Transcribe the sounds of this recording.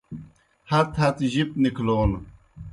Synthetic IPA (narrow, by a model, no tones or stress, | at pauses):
hɐt̪hɐt̪ʑip̚nikʰloːn